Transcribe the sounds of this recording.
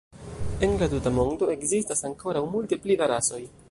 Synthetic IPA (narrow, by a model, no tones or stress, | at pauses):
e̞nlatutamo̞ndo̞e̞kzistasaŋko̞ɾawmulte̞plivaɾaso̞j